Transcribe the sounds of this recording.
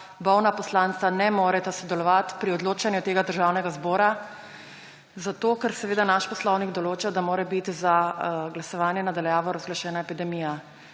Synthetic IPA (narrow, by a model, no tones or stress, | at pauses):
bɔwnapɔslant̪anɛmoːɾɛt̪asɔd̪ɛlɔʋat̪pɾiɔd̪loːt͡ʃanjut̪eːɡad̪əɾʒaːwnɛɡazbɔːɾa | zat̪oːkɛɾsɛʋeːd̪anaʃpɔslɔwniɡd̪ɔloːt͡ʃad̪amoːɾɛbit̪zaɡlasɔʋaːnjɛnad̪aljaːʋɔɾazɡlaʃɛːnaepid̪ɛmiːja